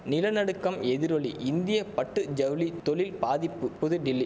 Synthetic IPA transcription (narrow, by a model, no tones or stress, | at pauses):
nɪlɐnɐɽɯkːɐmɛðɪɾɔɭiʔɪnd̪ɪjɐpɐʈːɯd͡ʒɐʋlit̪ːɔlɪlpaːðɪpːɯpːʊðɯɖɪlːi